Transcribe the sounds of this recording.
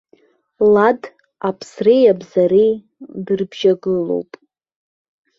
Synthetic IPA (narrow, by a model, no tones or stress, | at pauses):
lad | apʰsrejabzaɾej | dɨrbʒaɡɨlo̞̰wpʼ